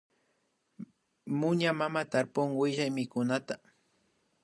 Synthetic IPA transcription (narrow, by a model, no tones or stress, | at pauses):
mʊɲamamat̪aɾpʊŋwɪʒajmɪkʊnat̪a